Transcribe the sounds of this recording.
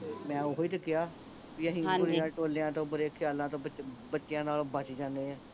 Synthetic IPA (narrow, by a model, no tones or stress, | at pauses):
mɛ̃ːoːɦoiːt̪əkːɪjaː | piːəɦĩːʊɾɪjãːʈoːlejãːt̪õːbəɾeːkʰɪjaːlãːt̪õːbətːʃɪjãːnaːlobət͡ʃd͡ʒãːnd̪eːɛ̃ː